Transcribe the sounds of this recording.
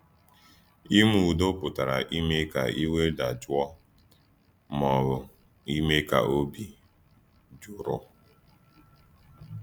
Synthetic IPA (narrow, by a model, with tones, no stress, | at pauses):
i˦m˦˨u˨do˦pʊ˨ta˨ɾa̰˨ʔi˦me˦ka̰˨i˦we˦da˨d͡ʒwɔ˦ | mɔ˨ɾʊ˨ | i˦me˦ka̰˨ʔo˦bi˦ | d͡ʒʊ˨ɾɔ̰˦